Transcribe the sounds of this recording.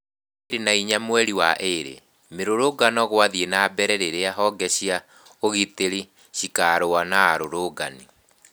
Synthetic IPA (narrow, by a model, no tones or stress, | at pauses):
eɾenaiɲamwɛɾiwaʔeɾḛ | meɾoɾoɡanɔɣwaðienabɛɾɛɾeɾeaɦɔɡɛɕia | oɣiteɾi | ɕikaɾoanaːɾoɾoɡani